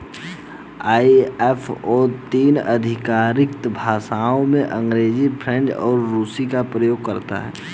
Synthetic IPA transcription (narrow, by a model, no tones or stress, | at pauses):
aːiɛfʰɔːt̪iːnəd̪ʱɪkaːɾɪk̚t̪bʱaːsaːõmẽʔə̃ŋɡɾeːzipʰɾɛ̃ɳɖɔ̰ːɾːuːsikapɾəjoːɡ̚kɐɾt̪a̰ɦɛ̰ː